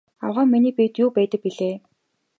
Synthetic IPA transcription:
a̰wʁaːŋminiːpit̪juːpæːt̪ə̆k̚piɮeː

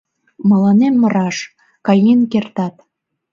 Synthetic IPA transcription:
mɑlɑnemːə̆ɾɑʃ | kɑjenkert̪ɑt̪

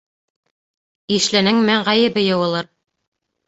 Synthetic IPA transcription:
iʃlænɘŋmæɴʁæjɘ̆bɘjɤ̆wɤ̆lˠɤɾ

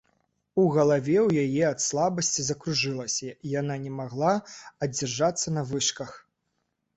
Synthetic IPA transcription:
uɣɐlˠavʲɛwjajɛɐt̪slˠabɐsʲt͡sʲizɐkɾuʐɨlˠɐsʲɐijananʲɛmaɣlˠaɐd͡zʲɛrʐat̪sːɐnɐvɨʂkɐx

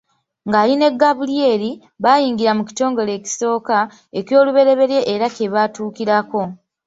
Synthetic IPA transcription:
ŋɡaːline̞ɡːaβulie̞ːɾi | βajiːŋɡiɾamuki̥to̞ːŋɡo̞le̞ːki̥so̞ːka | e̞kjo̞ːluβe̞ɾe̞βe̞ɾje̞ʔeɾake̞βaːtuːkiɾako̞

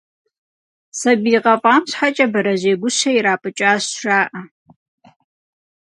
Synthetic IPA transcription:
sɐbiːqɐpʼaːmɕħat͡ʃʼɐbɐɾɐʑeːɡʷʊɕɐiɾaːpʼɨt͡ʃʼaːɕʂaːʔɐ

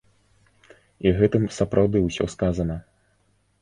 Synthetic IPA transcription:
iɣɛt̪ɨmsɐpɾʔawd̪ɨwsʲɔ̰skazɐnɐ

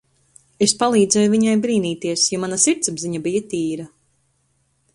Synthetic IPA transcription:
espalˠiːd̪zɛjuviɲajbɾiːniːt̪iɛsjɔmanasiɾt̪sabziɲabijat̪iːɾa

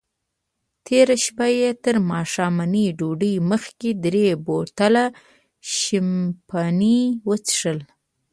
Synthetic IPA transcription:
t̪ʰeɾaʃpajet̪əɾmɑʃɑmaniɖoɖəjməxked̪ɾebot̪ala | ʃɪmpʰaniwət͡sʂəl

